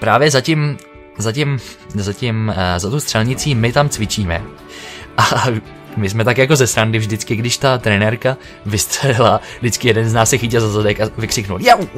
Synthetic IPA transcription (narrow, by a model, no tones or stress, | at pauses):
pɾaːvjɛzacɪm | zacɪmzacɪmzat̪ust̪r̥ɛlɲɪt͡siːmɪt̪amt͡svɪt͡ʃiːmɛ̰ | ʔa | mɪs̬mɛt̪akjako̞zɛsɾandɪvʒdɪt͡skɪɡdɪʃt̪at̪ɾɛnɛɾka | vɪst̪r̥ɛlɪladɪt͡skɪjɛdɛnznaːssɛxɪcɪlzazadɛkavɪkr̥ɪknulja